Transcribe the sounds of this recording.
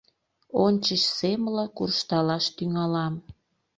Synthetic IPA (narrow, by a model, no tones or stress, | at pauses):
onʲt͡ɕəʃsemləkurʃt̪ɑlɑʃt̪yŋɑlɑm